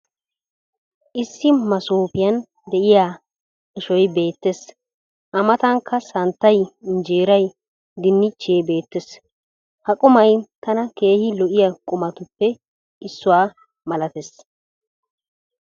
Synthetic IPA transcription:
ʔɪsːɪmɐsoːpɪjɐn | d̪ɛʔɪjaː | ɪʃɔjbe̞ːt̪ːes | ʔɐmɐt̪ɐŋkːɐsɐnt̪ːɐjnd͡ʒeːɾɐj | d̪ɪnːɪt͡ʃːeːbe̞ːt̪ːes | hɐkʼʊmɐjt̪ɐnɐke̞ːhɪlɔʔɪjɐkʼʊmɐt̪ʊpːɛ | ɪsːʊwaː | mɐlɐt̪es

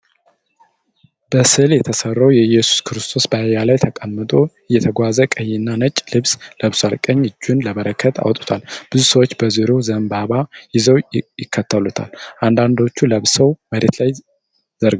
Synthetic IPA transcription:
b̥əsɨljɛt̪ʰəsərːəwjɛjɛsu̥skʰɾɨst̪ʰo̞sbəajalajt̪ʰəkʼəmːɨt̪ʼoɨjːɛt̪ʰəɡʷazəkʼəjɪnːanət͡ʃʼlɨβsləβsalkʼəɲːɨd͡ʒːunləβəɾəkʰːət̪ʰa̰wt̪ʼu̥t̪ʰalb̥ɨzusəwot͡ʃːbəziɾozəmbaβajɪzəwjɪkʰːət̪ʰːəlut̪ʰa̰lʔand̪and̪o̞t͡ʃːuləβsəwməɾet̪laj | zəɾ

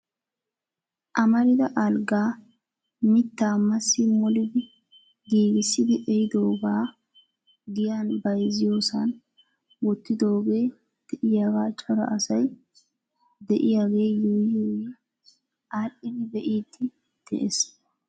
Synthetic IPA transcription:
ʔɐmɐɾɪd̪ɐʔɐlɡaː | mɪt̪ːaːmɐsːɪmɔlɪd̪ɪ | ɡiːɡɪsːɪd̪ɪʔɛjɪd̪o̞ːɡaː | ɡ̪ɪjaːnbɐjzɪjo̞ːsɐn | wɔt̪ːɪd̪o̞ːɡeː | d̪̥ɛʔɪjaːɡaːt͡ʃɔɾɐ̰ʔɐsɐj | d̪ɛʔɪjaːɡeːjijewe | ʔaɾʔɪd̪ɪbɛʔiːt̪ːɪ | d̪̥ɛ̰ʔɛs

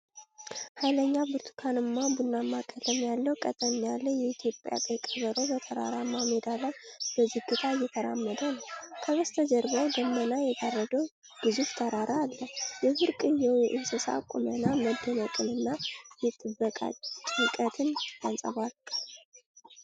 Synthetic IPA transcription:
hajləɲːabɨɾt̪ʰu̥kʰanɨmːabunːamːakʼːəlʰəmjalːəwkʼət̪ʼəɲalːəhjɛit̪ʰjo̞pʼja̰t̪ʼekʼəβəɾo̞bət̪ʰəɾa̰ɾamamed̪aləb̥əzihɡɨt̪ʰajːɛt̪ʰəɾa̰mːəd̪ənəwkʰəβəst̪ʰəd͡ʒəɾbəwd̪əmːənajɛd̪arːəd̪əw | ɡ̥ɨzuft̪ʰəɾaɾʔaːlːəjɛfɨɾkʼɨnjɛwjɛʔɪnsəsa̰kʼṵmənaməd̪ːənəkʼɨnɨnːajɛt̪ʼɨbːəkʼa̰t͡ʃʼɨkʼət̪ʰɨnjansʼə̰βal

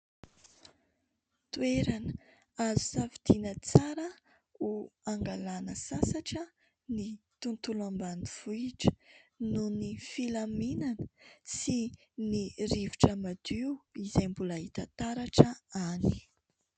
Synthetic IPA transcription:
t̪ueɾanə | azusavid̪̥inət͡saɾə | uaŋɡalanəsasaʈ͡ʂə | nit̪unt̪ulambaniv̥uiʈ͡ʂə̥nunifilaminanəsi | nirivuʈ͡ʂəmad̪iuizejmbulaɦit̪ət̪aɾaʈ͡ʂəani̥

